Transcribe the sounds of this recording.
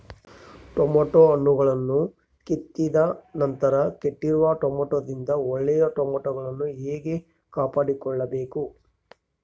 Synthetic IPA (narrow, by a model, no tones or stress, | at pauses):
ʈomoːʈoɐɳːuɡɐɭɐnːu | ket̪ːid̪ɐnɐnt̪ɐɾɐkeʈːiɾuʋɐʈomoːʈoːd̪ind̪ɐɔɭːɛjɐʈomoːʈoɡɐɭɐnːueːɡe̞ | kaːpaːɽikɔɭːɐbe̞ːku